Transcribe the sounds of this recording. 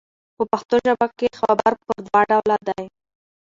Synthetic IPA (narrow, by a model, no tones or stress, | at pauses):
pəpaxt̪oʒabakexabaɾpəɾd̪wɑɖawlad̪aj